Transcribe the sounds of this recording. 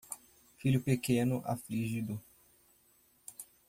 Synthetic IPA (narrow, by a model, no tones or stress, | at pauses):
fiʎʊpekẽnʊʔa̰fliʒid̪ʊ